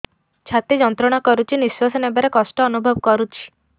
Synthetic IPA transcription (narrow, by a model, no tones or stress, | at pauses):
t͡ʃʰat̪id͡ʒɔnt̪ɾɔɽ̃akɔɾut͡ʃʰiniswasɔnebaɾekɔsʈɔːnubʱɔbkɔɾut͡ʃʰi̥